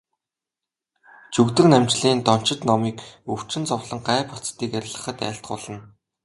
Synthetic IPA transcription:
t͡ɕʰɵkt̪ɘ̆knæmt͡ɕɮiːnt̪ɔn̥t͡ɕɪ̆t̪nɔmiːkɵw̥t͡ɕɪ̆nt͡sɔwɮə̆ŋɢæːpɔt͡st̪iːkæɾʲɪ̆ɮʁə̆χə̆t̪æ̰ːɬt̪̚ɢʊɮə̆n

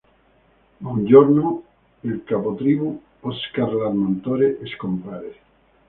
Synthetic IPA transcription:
ond͡ʒoɾnu | elkapot̪ɾiβu | oskaɾlaɾmant̪oɾeʔeskompɾaɾe

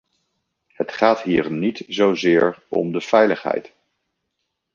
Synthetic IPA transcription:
hətχaːtɦiːɹnitzowzɪːɹɔ̰mdəvɛjləχɦɛ̰jt

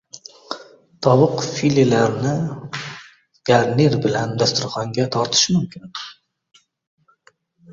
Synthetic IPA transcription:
t̪ʰɒwʊqfililaɾnɪ | ɡ̥aɾneɾbɪland̪ast̪ʰʊɾχɒŋɡʲat̪ʰɒɾt̪ʰɪ̥ʃmʊmkʲʰɪn

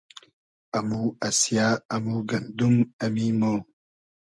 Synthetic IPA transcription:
amuasijaamuɡɐnd̪umamimo

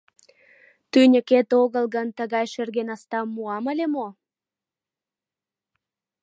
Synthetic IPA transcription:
t̪ynʲəket̪oɣəlɣənt̪əɣɑjʃerɣenɑst̪ɑmːuɑməlʲemo

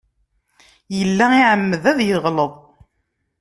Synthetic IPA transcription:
jəlːæiʕəmːəðæðjəʁləðˤ

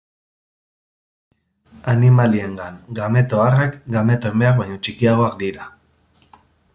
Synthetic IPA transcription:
animalie̞ŋɡaŋɡame̞t̪o̞arekɡame̞t̪oembe̞ak̚bajɲo̞t͡ʃikiaɣ̞o̞ak̚d̪iɾa

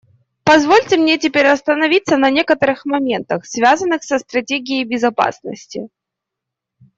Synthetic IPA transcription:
pɐzvo̞lʲtʲɪmnʲetʲɪpʲeɾʲɐst̪ənɐvʲit̪sənɐnʲe̞kət̪əɾɨxmɐmʲe̞nt̪əxsvʲazənːɨxsəst̪ɾɐtʲeɡʲɪjejbʲɪzɐpa̰snə̰sʲtʲɪ

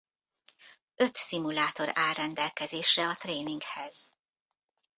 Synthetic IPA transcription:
ø̞t̪simulaːt̪o̞ɾaːrrːɛnd̪ɛlkɛzeːʃrɛɒt̪reːniŋkhɛz̥

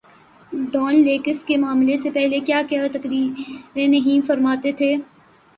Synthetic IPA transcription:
ɖɔːnleːkəskemaːmlesepɛɦlekjaːkjat̪ɐkɾiːɾɾenɐɦĩfɐɾmaːt̪et̪ʰeː

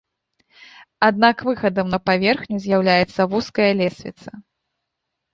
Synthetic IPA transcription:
ad̪̚nakvɨxɐd̪ɐmnɐpavʲɛrxnʲuzʲjawlʲajɛt̪sːɐvuskɐjɐlʲɛsʲvʲḭt̪sɐ

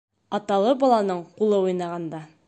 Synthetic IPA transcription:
ɒt̪ɑlˠɤbɒlˠɑnɤɴqulˠɤujnɑʁɑnd̪ɑ

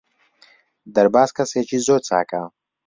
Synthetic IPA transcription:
d̪ɐɾbaːskʰʼɐseːt͡ʃʰʼizot͡sʰʼa̰ːkʼa

